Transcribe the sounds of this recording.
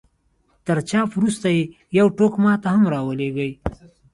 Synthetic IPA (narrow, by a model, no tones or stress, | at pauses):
t̪əɾt͡ʃɑfɾust̪aje | jawʈokmɑt̪aɦamɾɑwəleɡəj